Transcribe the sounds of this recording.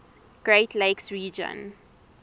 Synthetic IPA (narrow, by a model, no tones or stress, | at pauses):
ɡ̥ɹetʰleɪksɹiːd͡ʒə̰̃n